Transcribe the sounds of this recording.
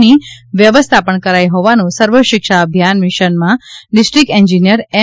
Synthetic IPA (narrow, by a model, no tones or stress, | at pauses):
niʋjəʋəst̪ʰapəɳkəɾajɦoʋanũsəɾʋəʃɪkʃaəbʱjanmɪʃənmãɖɪsʈɾik̚ɛɲd͡ʒinijəɾɛ